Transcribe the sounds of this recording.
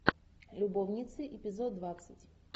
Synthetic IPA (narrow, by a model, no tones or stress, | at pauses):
lʲʊbovnʲit̪sɨʔɪpʲɪzod̪̚dːvat̪sɨtʲ